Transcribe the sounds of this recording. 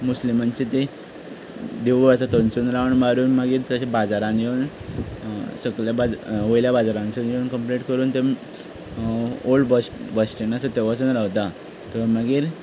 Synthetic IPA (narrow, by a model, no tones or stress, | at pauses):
muslimant͡ɕit̪e | d̪eʋʋasat̪ənsuːnɾaʋɳmaɾuːnmaɡiːɾt̪əɕabad͡zaɾãnd͡ʑeun | səɡɭjabad͡zʋojljabad͡zaɾãnsund͡ʑeunkəmpleʈkəɾuːnt̪e | oɭɖbəsʈbəsʈinasət̪eʋat͡suːnɾaʋt̪a | t̪əməɡiːɾ